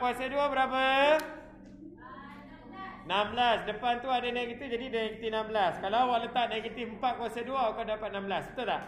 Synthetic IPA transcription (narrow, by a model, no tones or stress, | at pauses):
kwasaduabəɾapa | namblasdəpant̪uadanajkit̪ud͡ʒadidanekət̪inambəlaskalawaʔlət̪aʔ̚naɡət̪ifmpat̪̚kuasaduaukadapat̪̚namblasbət̪ula